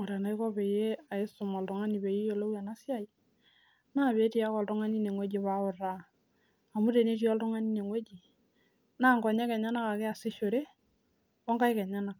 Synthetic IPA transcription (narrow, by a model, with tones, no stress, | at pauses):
ŋɔ˨ɾa˨na˨jkɔ˦pe˨je˦a˨ɪ˦stʊ˨mɔ˨ltʊ˨ŋa˦ni˨be˨ji˦jo˨lo˦wja˨na˦sɪ˦a˦j | na˦˨βe˦ti˦a˦kɔ˨ltʊ˦ŋa˦ni˦ne˨ŋwe˦d͡ʒi˨βa˦ʊ˨raː˦˨ | mu˦te˨ne˦ti˦ɔ˦ltʊ˦ŋa˦ni˦ne˨ŋwe˦d͡ʒi˨ | na˦˨ŋkɔ˨ɲɛ˦kɛ˨ɲa˦na˦ka˨kɪ˦a˨sɪ˦ʃo˨ɾe˦ | ɔ˦ŋka˦jkɛ˨ɲa˦na˨k